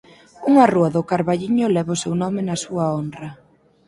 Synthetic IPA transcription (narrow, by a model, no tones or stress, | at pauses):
uŋaruɐðʊkaɾβaʎiɲʊlɛβʊsewnɔmɪnɐsuɐondrɐ